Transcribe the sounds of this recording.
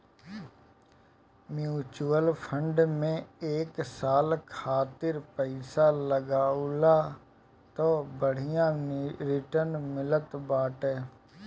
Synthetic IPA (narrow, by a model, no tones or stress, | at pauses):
mjuːt͡ʃuːəlpʰə̃ɳɖmẽeːksaːlkʰaːt̪ɪɾpəɪsaləɡaːulaː | t̪oːbəɽ̤ɪjãɾɪʈəɾnmɪlət̪baːʈɛː